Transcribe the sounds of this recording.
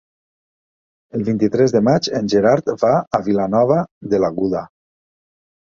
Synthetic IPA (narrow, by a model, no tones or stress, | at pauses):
əlˠβint̪it̪ɾɛzðəmad͡ʒenʲʒeɾaɾt̪baːβilanɔβaðelaɣuða